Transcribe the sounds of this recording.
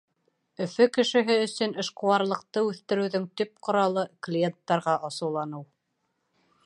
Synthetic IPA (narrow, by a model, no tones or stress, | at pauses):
ɵ̆fɵkɘ̆ʃɘ̆ɦɘɵ̆sɵnɘ̆ʃqŏwɑɾlˠɤ̆q̚t̪ɤʉθt̪ɘ̆ɾɘ̆wðɵŋt̪ɵp̚qŏɾɑlˠɤklʲijent̪ːɑɾʁɑʔɑsɤ̆wlˠɑnɤw